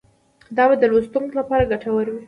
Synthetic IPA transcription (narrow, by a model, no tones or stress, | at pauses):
d̪ɑbad̪əlost̪uŋklapɑɾaɡaʈawəɾwi